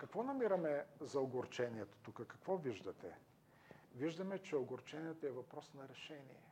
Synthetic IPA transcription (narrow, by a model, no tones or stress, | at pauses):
kɐkvɔnɐmiɾɐmɛzɐoɡoɾt͡ʃɛniɛt̪o̥t̪ukəkɐkvɔviʒd̪ɐt̪ɛ | viʒd̪ɐmɛt͡ʃɛoɡoɾt͡ʃɛniɛt̪oɛvɐpɾɔsnɐɾɛʃɛnḭɛ